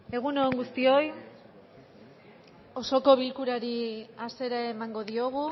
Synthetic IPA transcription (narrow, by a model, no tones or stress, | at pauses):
e̞ɣ̞uno̞ːŋɡust̪io̞j | o̞so̞ko̞βilkuɾaɾiase̞ɾaemaŋɡo̞ðio̞ɣ̞u